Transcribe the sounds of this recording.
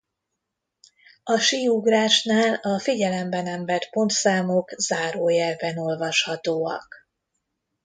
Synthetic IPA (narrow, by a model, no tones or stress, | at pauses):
ɒʃiːuɡraːʃnaːlɒfiɟɛlɛmbɛnɛmbɛrpo̞nt̪saːmo̞kzaːɾoːjɛrvɛno̞lvɒʃhɒt̪oːɒ̰k